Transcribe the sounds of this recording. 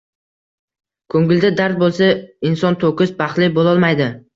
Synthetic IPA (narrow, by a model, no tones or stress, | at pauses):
kʰɵŋɡɪld̪ad̪aɾt̪̚bolˠsaɪnsɒnt̪ʰokɪsbaχt̪lɪbolˠɒlˠmajd̪ɪ